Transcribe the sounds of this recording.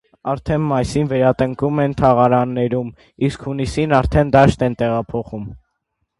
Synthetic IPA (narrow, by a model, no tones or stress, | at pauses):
ɑɾt̪ʰɛnmɑjsinvɛɾɑt̪əŋkumɛnt̪ʰɑʁɑɾɑnːɛɾum | iskʰhunisinɑɾt̪ʰɛnd̪ɑʃt̪ɛnt̪ɛʁɑpʰɔχum